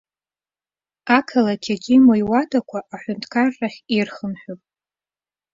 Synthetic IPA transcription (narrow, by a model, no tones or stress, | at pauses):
akʰalatʲʰaɡʲimojwadakʷʰaʔːħʷʊntʰkʰarːaχʲirχəmħᶣopʼ